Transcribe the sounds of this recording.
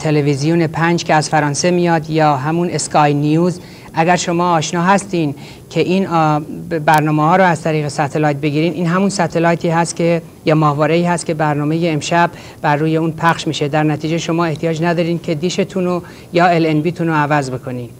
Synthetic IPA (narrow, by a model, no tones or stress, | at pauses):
t̪ʰe̞levizijune̞pʰænd͡ʒcʲʰe̞æzfæɾɒːnse̞mijɒːd̪jɒːɦæmuneskʰɒːjnijuːz | ʔæɡæɾʃo̞mɒːʃnɒːɦæst̪iːn | cʰe̞ʔiːn | bæɾnɒːmehɒːɾoæzt̪ʰæɾiːɣesæt̪ʰelɒːjt̪̚be̞ɡiːɾiːmʔiːnɦæmunsæt̪ʰe̞lɒːjt̪ʰiːɦæst̪cʰʲe | jɒːmɒːhvɒːɾeiːhæst̪̚cʰʲe̞bæɾnɒːme̞jeːmʃæb | bæɾːuːje̞uːnpʰæχʃmiːʃe̞d̪æɾnæt̪ʰiːd͡ʒeʃo̞mɒːe̞ht̪ʰijɒːd͡ʒnæd̪ɒːɾiːmkʰe̞d̪iːʃe̞t̪ʰuno | jɒːelenbiːt̪ʰunoævæzbe̞kʰo̞nim